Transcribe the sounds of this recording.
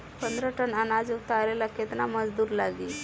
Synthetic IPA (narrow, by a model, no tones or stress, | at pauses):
pənd̪ɾəʈənanad͡zut̪aɾelaket̪naməd͡zd̪uːɾlaɡiː